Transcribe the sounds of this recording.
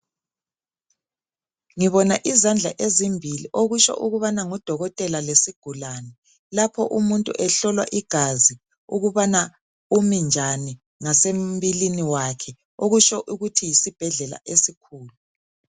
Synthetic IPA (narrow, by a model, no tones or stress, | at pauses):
ŋiβɔnaʔizand͡ɮʱaʔezimbʱilḭʔoɣut͡ʃɔ̰ʔuɣuβanaŋud̥ʱɔɣɔtʼɛlalesiɡ̥ʱulanɛ | lapʰɔ̰ʔumuntʼṵʔɛɬɔlwa̰ʔiɡ̥ʱazi | uɣuβana | umind͡ʒʱani | ŋasembiliniwakʰɛ | oɣut͡ʃɔʔuɣutʰijisib̥ʱɛɮɛla̰ʔesikʰuːlu